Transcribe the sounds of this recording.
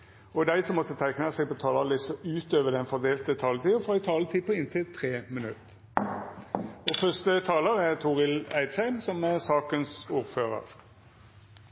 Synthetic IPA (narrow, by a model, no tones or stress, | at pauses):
ɔd̪æɪsɔmːɔt̪ːət̪ʰæɪknəsɛɪɡpʰɔt̪ʰɑːlɑlɪst̪ɔʔʉːt̪øːʋəd̪ɛnfɔʁd̪eːlt̪ət̪ʰɑːlət̪ʰiːɔfɔɛt̪ʰɑːlət̪ʰiːpʰɔɪnt̪ʰɪlt̪ʰʁeːmənʉt̪ː | ɔfœst̪ət̪ʰɑːləʁæʁt̪ʰuːʁɪlæɪd̪sæɪmsɔmæʁsɑːkənsuːɾføːʁə̰ʁ